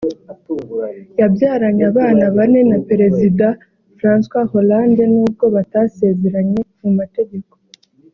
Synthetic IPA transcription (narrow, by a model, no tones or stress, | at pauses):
jabjaːɾaɲaβaːnaβane̞napeɾe̞zida | fɾaːnswaho̞laːnde̞nuːb̚ɡo̞βatase̞ːze̞ɾaɲe̞mumate̞ɟe̞ko